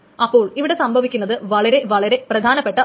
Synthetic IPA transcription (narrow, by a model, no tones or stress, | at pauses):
ɐpːo̞ːɭiʋiɽe̞sɐmbʱɐʋikʲːunːɐðɨʋɐɭɐɾe̞ʋɐɭɐɾe̞prɐd̪ʱaːnɐpːe̞ʈːɐ